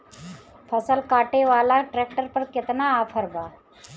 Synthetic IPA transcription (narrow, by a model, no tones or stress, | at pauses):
pʰəsəlkaːʈeʋaːlaʈɾeːk̚ʈəɾpəɾkɪt̪naːpʰəɾba